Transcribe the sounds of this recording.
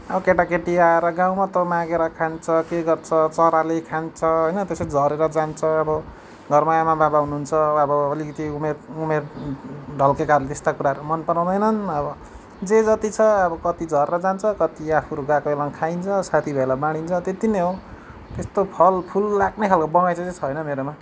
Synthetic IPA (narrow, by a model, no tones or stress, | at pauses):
ʌbʌkeʈakeʈiaeɾʌɡãw̃mat̪ʌmãɡeɾʌkʰant͡sʰʌkeɡʌrt͡sʰʌt͡sʌɾalekʰant͡sʰʌɦʌjnʌt̪eseid͡zʱʌɾeɾʌd͡zant͡sʰʌːbʌ | ɡʱʌrmajamababaɦunuɦunt͡sʰʌʌbʌːlikʌt̪iumerumerɖʱʌlkekaɾlet̪est̪akuɾaʌɾomʌnpʌɾãw̃d̪ʌjnʌnʌbʌ | d͡zed͡zʌt̪it͡sʰʌʌbʌkʌt̪id͡zʱʌɾeɾʌd͡zant͡sʰʌkʌt̪iapʰuɾuɡakoelaŋkʰajnt͡sʰʌsat̪ʰibʱʌelabaɽ̃int͡sʰʌt̪et̪ineɦo | t̪est̪opʰʌlpʰulːaɡnekʰalkobʌŋajt͡sʰʌt͡set͡sʰʌɦʌjnʌmeɾoma